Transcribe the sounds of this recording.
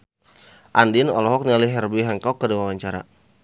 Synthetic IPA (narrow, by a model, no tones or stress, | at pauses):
ʔandinɔ̰lɔɦɔk̚nialiɦɛrbiɦɛŋkɔkːədawawaɲt͡ʃaɾa̰